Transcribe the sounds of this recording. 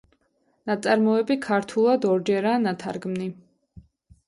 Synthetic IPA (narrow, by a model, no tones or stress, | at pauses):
nat̪sʼaɾmɔɛbikʰaɾt̪ʰulˠad̪ɔɾd͡ʒɛɾaːnat̪ʰa̰ɾɡmni